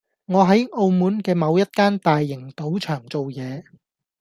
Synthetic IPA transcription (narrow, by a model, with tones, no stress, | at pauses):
ŋɔː˨˧ɦɐ˨˥jʔo˧wmuː˨˥nkɛː˧mɐ˨˧wjɐ˥t̚kaː˥nt̪aː˨jːɪ˨˩ŋt̪o˨˥wt͡ʃʰœː˨˩ŋt͡so˨wjɛː˨˧